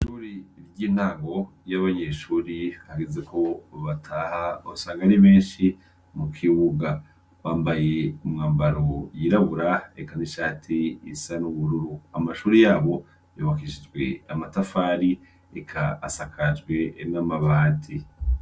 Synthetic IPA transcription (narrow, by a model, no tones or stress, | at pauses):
ʃuɾiɾɟiːn̥aːŋɡo̞ | jaβaɲeʃuːɾihaɡeze̞ko̞βatʰaːhausaːŋɡaɾiβeːnʃi | mukʰiβuɡa | βaːmbajeumŋaːmbaɾo̞jiɾaβuɾaekaniʃaːtʰiːsanuβuɾuɾuamaʃuːɾijaːβo̞ | joβakiʃid͡ʒɡwe̞̰amatafaːɾi | ekʰaːsakʰad͡ʒɡwe̞namaβaːtʰi